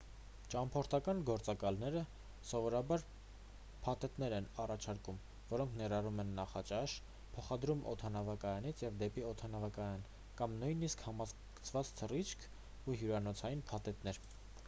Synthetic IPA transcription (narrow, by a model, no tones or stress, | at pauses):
t͡ʃɑmpʰɔɾt̪ʰɑkɑnɡɔɾt͡sɑkɑlnɛɾə | sɔvɔɾɑbɑɾ | pʰɑt̪ɛt̪nɛɾɛnɑrɑt͡ʃʰɑɾkum | vɔɾɔŋkʰnɛɾɑrumɛnːɑχɑt͡ʃɑʃ | pʰɔχɑd̪ɾumɔ̰t̪ʰɑnɑvɑkɑjɑnit͡sʰjɛvd̪ɛpiɔt̪ʰɑnɑvɑkɑjɑn | kɑmnujniskhɑmɑz | ə̥t͡sʰvɑt͡st̪ʰərit͡ʃʰkʰ | uɦjuɾɑnɔt͡sʰɑjinpʰɑt̪ɛt̪nɛɾ